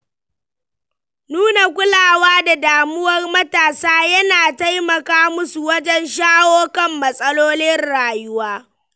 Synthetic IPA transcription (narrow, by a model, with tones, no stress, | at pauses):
nuː˦na˨kʷʊ˦laː˨waː˦da˨daː˨mʊ˦wɐ˦rmɐ˦taː˨saː˦jɐ˦naː˨ta˦jmɐ˨kaː˦mʊ˦su˨wɐ˦d͡ʒɛ˦nʃaː˦woː˦kɐ˦mːɐ˨sʼɐ˦loː˦nɪ˦nɽaː˨jʊ˦waː˦